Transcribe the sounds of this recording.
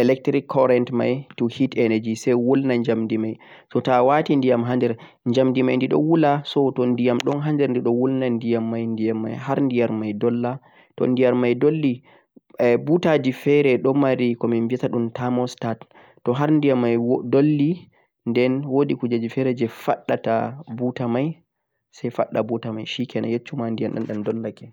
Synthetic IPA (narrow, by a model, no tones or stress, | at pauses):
ʔɛlɛk̚tɾikʰːɔɾɛntma̰jtuhitɛnɛd͡ʒisɛjwulnaɲd͡ʒamdimaj | sɔtawatindijamɦandɛɾ | ɲd͡ʒamdimajndiɗɔ̰wulasɔtɔndijamɗɔnɦandɛɾndiɗɔwulnandijamːajndijamːa̰jhaɾndijaɾmajdɔlːa | tɔ̰ndijaɾmajdolːi | butad͡ʒifɛɾɛɗɔmaɾikɔminvitaɗumtamɔstatː | ɔɦaɾndijamːajdolːi | ndɛnwodikud͡ʒad͡ʒifɛɾɛd͡ʒɛfaɗːatabutamaj | sajfaɗːabutamajʃikɛna̰jet͡ʃːumandijamɗa̰nɗandɔlːakɛ